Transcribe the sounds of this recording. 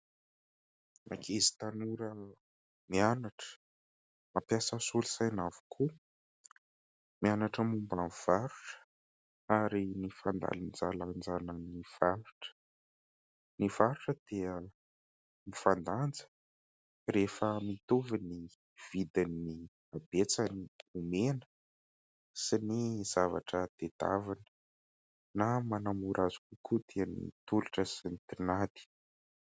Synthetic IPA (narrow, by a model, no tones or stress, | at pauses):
ma̰kʰezi̥t̪anuɾə | mianaʈ͡ʂə̥ | mapjasəsulisajnavu̥kʰu | mianaʈ͡ʂəmumbamiv̥aɾuʈ͡ʂə̥ | aɾinifand̪a̰lind͡zaland͡zanəniv̥aɾuʈ͡ʂə̥ | niv̥aɾuʈ͡ʂəd̪̥eə | mifand̪and͡zə̥ | refəmit̪uvini | v̥id̪anːi | ab̥et͡saniumenə̥ | siniz̥ava̰ʈ͡ʂəd̪̥ed̪̥a̰vanə̥ | namanamuɾʔazu̥kukud̪eanḭt̪uluʈ͡ʂəsint̪inad̪i̥